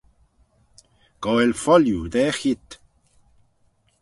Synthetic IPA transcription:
ɡ̥ɔelfɔljud̪ɛːxit̪

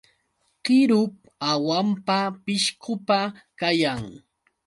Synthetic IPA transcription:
ɢɪɾʊp | awampapɪʃqʊpakajaŋ

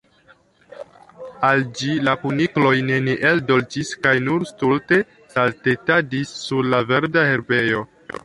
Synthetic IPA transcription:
ald͡ʒilakuniklo̞jne̞neʔeldo̞ld͡ʒiskajnuɾstulte̞ | salte̞tadisːuɾlave̞ɾdahe̞ɾbe̞jo̞

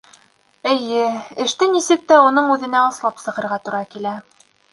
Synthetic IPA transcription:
ɘ̆jɘɘ̆ʃt̪ɘnisɘk̚t̪æunɤɴʉðɘ̆næɑslˠɑpsɤ̆ʁɤ̆ɾʁɑt̪uɾɑkilæ

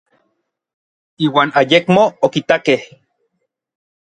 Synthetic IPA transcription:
iːwaːnajekmoːkit̪akeh

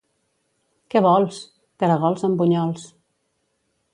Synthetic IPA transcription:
kɛβɔlˠs | kaɾəɣ̞ɔlˠzəmbuɲɔlˠs

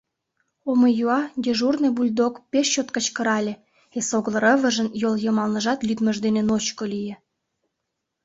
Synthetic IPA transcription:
oməjuɑɡʲeʒurnebulʲd̪okpeʃt͡ɕot̪kə̆t͡ɕkəɾɑlʲe | esoɣlˠə̆ɾə̆βə̆ʒənjoljəmɑlnəʒɑt̪lʲyd̪məʒd̪enenot͡ɕkolʲijĕ

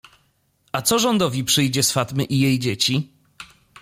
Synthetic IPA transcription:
at̪sɔʐɔnd̪ɔvʲipʂɘjd͡ʑɛsfat̪mɘʔijejd͡ʑet͡ɕi

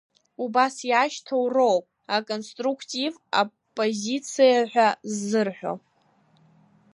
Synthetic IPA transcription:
ubasjaʃtʰowro̞wpʼ | akʼonstʼrukʰtʼiva̰ | pʼo̞zit͡sʰijaħʷᶣazːɨrħʷᶣo̰

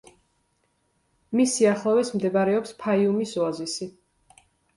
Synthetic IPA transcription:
misiaχlˠavɛsmd̪ɛbaɾɛɔpspʰaiumisɔazisi

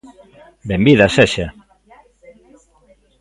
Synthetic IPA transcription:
bembiðaseʃa

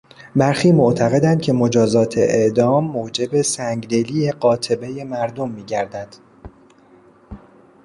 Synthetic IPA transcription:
bæɾxiːmoʔt̪ʰæɣe̞d̪ænd̪̥̚cʲʰe̞mo̞d͡ʒɒːzɒːt̪ʰeʔeʔd̪ɒːmːoːd͡ʒe̞be̞sæŋɡd̪eliːjeɢɒːt̪ʰe̞be̞je̞mæɾd̪omːiːɟæɾd̪æd̪̥

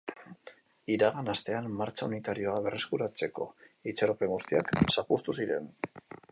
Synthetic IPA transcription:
iɾaɣanast̪e̞anmaɾt͡ʃaunit̪aɾio̞aβe̞reskuɾat͡se̞ko̞̰it͡saɾo̞pe̞ŋɡust̪ia̰ksapust̪usiɾe̞̰n

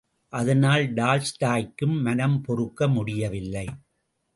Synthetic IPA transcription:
ʔɐðɐnaːlɖaːlsʈaːjkːɯmːɐnɐmpɔrɯkːɐmʊɽɪjɐʋɪlːɐɪ

